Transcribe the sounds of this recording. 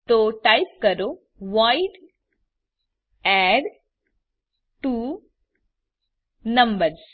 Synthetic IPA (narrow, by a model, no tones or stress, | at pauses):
t̪oʈajp̚kəɾo | ʋaiɖ | ɛɖ | ʈu | nəmbəɾs